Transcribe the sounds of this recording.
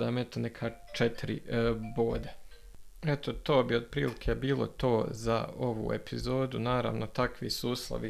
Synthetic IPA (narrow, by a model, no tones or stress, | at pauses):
d̪aːmet̪onekʰaː | t͡ʃet̪iɾḭboːd̪e | et̪o̞t̪o̞ːbiod̪̚pɾḭːlikʰeːbiːlˠo̰t̪o̞ːza̰o̞ʋṵːe̞pʰizo̞ːd̪unaːɾa̰ːʋnot̪akʋḭsuːslˠo̰ʋi